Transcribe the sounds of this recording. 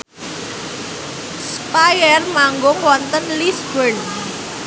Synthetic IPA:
s | pajərmaŋɡʊŋwɔnt̪ənlisbərn

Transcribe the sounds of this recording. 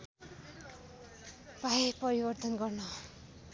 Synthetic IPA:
paepʌɾibʌrt̪ʌnɡʌrnʌ

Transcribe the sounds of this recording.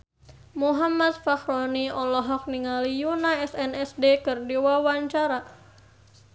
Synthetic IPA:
muɦamat̪̚faxɾɔniɔlɔɦɔk̚niŋalijunaɛsɛnɛsdekɨrdiwawaɲt͡ʃaɾa

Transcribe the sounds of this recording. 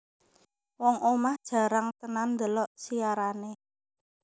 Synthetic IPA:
wɔŋʔomahd̥ʒ̥ä̤ɾaŋt̪ənand̪əlɔʔsiaɾane

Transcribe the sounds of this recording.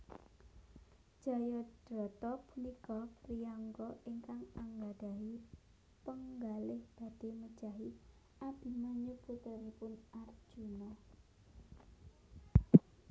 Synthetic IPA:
ʒ̥a̤jɔd̥ɾɔ̤t̪ɔpunikɔpriaŋɡɔiŋkaŋaŋɡad̥a̤ɦi | pəŋɡalɪhb̥a̤d̥e̤məd̥ʒ̥a̤ɦi | ʔab̥i̤maɲuput̪əɾipʊnard̥ʒ̥unɔ

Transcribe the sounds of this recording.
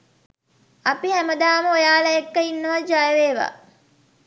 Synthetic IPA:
apihæməd̪aːməojaːlɐjekːəinːəʋad͡ʒajəʋeːʋa̰ː

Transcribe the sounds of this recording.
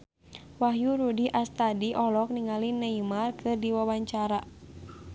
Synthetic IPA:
waɦjuɾudiʔast̪adiʔɔlɔk̚niŋalinaimarkʰɨrdiwawaɲt͡ʃaɾa

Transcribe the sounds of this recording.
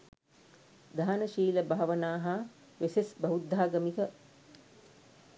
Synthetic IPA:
d̪aːnəʃiːləbʱaːaʋənaːɦa | ʋesesbʱɐʋud̪ʱːaːɡəmikə

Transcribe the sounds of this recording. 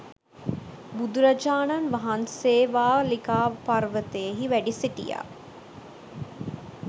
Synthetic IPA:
bud̪uɾad͡ʒaːnanʋaɦanseːʋaːlikaːparʋət̪ejeɦiʋæɖiseʈḭja̰ː

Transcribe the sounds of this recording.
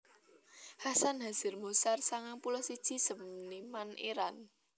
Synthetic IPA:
hasanɦaz̥ɪrmosarsaŋaŋpulɔsid̥ʒ̥i̤səmnimanʔeɾan

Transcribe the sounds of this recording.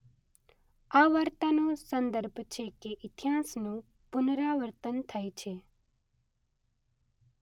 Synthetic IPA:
aʋəɾt̪anõsə̃nd̪əɾbʱt͡ʃʰekeʔɪt̪ijaːsnũ | pʊnɾaʋəɾt̪ənt̪ʰəjt͡ʃʰe

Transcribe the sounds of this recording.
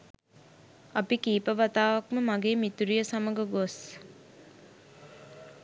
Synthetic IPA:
apikiːpəʋat̪aːʋakməmaɡeːmit̪uɾijəsaməɡəɡos

